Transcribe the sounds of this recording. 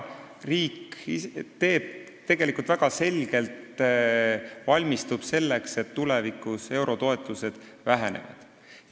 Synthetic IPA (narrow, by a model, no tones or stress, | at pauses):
riːkit̪e̞ːb̥̚ | t̪e̞ɡ̥e̞likult̪væɡ̥ɑse̞lɡ̥e̞lt̪ | vɑlʲmist̪ub̥se̞lːe̞kse̞t̪ːulevikˑuse̞wɾo̞t̪o̞e̞t̪ˑuse̞d̪̥væɦe̞ne̞̰vɑ̰d̪̥